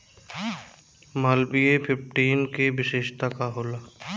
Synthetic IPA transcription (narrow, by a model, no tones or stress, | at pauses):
maːlbiepʰɪpʈiːnkeʋɪʃeːʃt̪akaɦoːlaː